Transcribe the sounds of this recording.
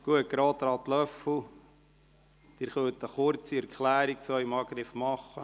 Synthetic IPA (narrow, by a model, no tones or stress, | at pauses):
ɡ̥uət̚ɡ̥ɾoːt̪ɾɑːt̪lœfl̩ | d̥̪ɪɾχœt̪əχʊɾt͡siɛɾkχlæːɾiksœɪmɑːɡɾɪfmɑχːə